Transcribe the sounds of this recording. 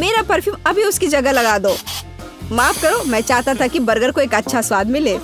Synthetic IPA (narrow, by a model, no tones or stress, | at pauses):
meːɾapɐɾfʰjuːmɐbʱiʊskid͡ʒɐɡəlɐɡaːd̪oː | maːfkɐɾoːmɛ̃ːt͡ʃaːɦt̪at̪ʰakibɐɾɡəɾkoeːkɐtːʃʰaswaːd̪mɪleː